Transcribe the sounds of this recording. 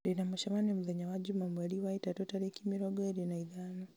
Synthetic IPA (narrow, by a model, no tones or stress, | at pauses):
dinamɔʃamanɛmuðaɲawad͡ʒumamwaliwaitatɔtaɾɛkimiɾɔɡɔɛɾinaiðano